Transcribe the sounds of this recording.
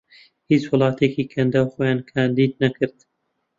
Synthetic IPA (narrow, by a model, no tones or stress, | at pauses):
hiːt͡ʃwʊlˠɑːt̪ʰekiːkʰɐnd̪aːwxoːjaːnkʰaːnd̪iːd̪̚nɐkʰɨɾd̪̥